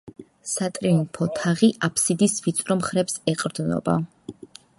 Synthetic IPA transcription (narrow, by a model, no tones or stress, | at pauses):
sat̪ʼɾinpʰɔt̪ʰaʁiʔapʰsid̪isvit̪sʼɾɔmχɾɛpsɛqʼɾd̪nɔ̰ba̰